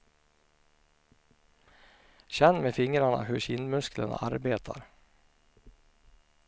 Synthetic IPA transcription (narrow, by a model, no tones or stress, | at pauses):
ɕɛnːmeːfɪŋɾaɳa̰ɦɵɾɕɪnmɵskləna̰ʔaɾbeːt̪ʰaɾ